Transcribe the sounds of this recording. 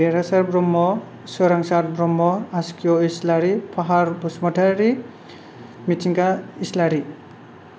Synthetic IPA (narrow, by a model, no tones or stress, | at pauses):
eɾasaɾbɾɔmːɔ | sɯɾaŋsaɾbɾɔmːɔaskijɔislaɾipʰaɦaɾbusmɔtʰaɾi | mitʰiŋkaislaɾi